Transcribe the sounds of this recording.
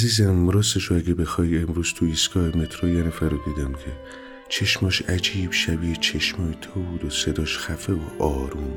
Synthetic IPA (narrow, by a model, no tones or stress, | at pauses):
ziːzæmɾɒːseʃoæɡebe̞xɒːje̞mɾuːz̥t̪ʰuisɡɒːhemet̪ʰɾojenæfæɾod̪iːd̪æmcʰe | t͡ʃʰe̞ʃmɒːʃæd͡ʒiːbʃæbiːt͡ʃʰeʃmɒːjt̪ʰobuːd̪ose̞d̪ɒːʃxæfeoʔɒːɾuːn